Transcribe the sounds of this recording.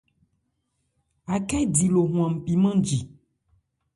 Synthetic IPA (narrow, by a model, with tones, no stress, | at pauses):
a˨kɛ˦di˨lo˨ɦũ˨ã˨m̩˨pi˨mã˦d͡ʒi˨